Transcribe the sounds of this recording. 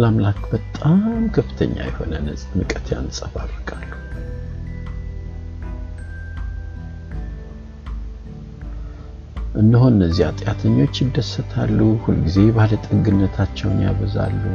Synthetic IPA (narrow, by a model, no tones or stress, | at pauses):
lamlakbət̪ʼamkʰəfɨ̥t̪ʰə̰ɲːa̰jɛho̞̰nəmɨkʼət̪ʰja̰nsʼəfarːəkʼalːu | ʔɨnd̪əɦonɨnːəzːiat̪ʼjat̪ʰəɲːo̞t͡ʃːjɪd̪ːəsːət̪ʰalːuhulɡize̞bahlət̪ʼɨɡɨnːət̪ʰat͡ʃːɛwnja̰βəza̰lːu